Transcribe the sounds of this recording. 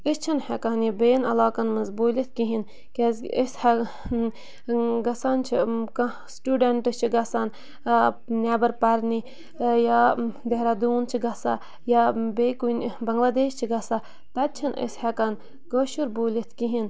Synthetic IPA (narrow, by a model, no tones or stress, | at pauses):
ist͡ʃʰinhɛkanibeːnɐlaːkɐnmɐzboːlit̪̚ʰkiɦin | kezishɛ | ɡɐsant͡ʃʰik | sʈuːɖeɳʈɨst͡ʃʰiɡɐsan | nʲaːbɐɾpɐɾni | jad̪eɦɾad̪uːnt͡ʃʰiɡɐsa | jabeːkunbɐŋɡlaːd̪eːʃt͡ʃʰiɡɐsa | t̪ɐt̪̚t͡ʃʰinḭshɛkɐn | ɡoʃuɾboːlit̪ʰkiɦin